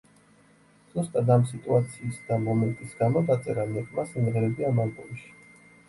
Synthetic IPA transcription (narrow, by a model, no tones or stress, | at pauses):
z̥ust̪ʼad̪amsit̪ʼuat̪sʰiːsd̪amɔmɛnt̪ʼisɡamɔd̪at̪sʼɛɾamɛkʼmasimʁɛɾɛbiamalbʼɔliʃi̥